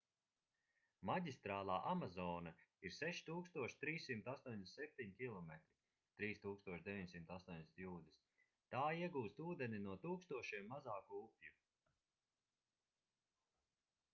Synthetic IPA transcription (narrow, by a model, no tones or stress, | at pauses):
maɟʲist̪ɾaːlˠaːʔamazɔːnaiɾsɛʃt̪uːkst̪uɔʃt̪ɾiːsːimt̪ast̪uɔɲʲd̪esɛp̚ʲt̪ʲiɲkʲilˠɔmɛt̪ɾi | t̪ɾiːst̪uːkst̪uɔʃd̪ʲɛvʲiɲsimt̪ast̪uɔnd̪esʲnt̪juːd̪is | t̪aːiɛɡuːst̪uːd̪eninuɔt̪uːkst̪uɔʃiɛmːazaːkuupʲju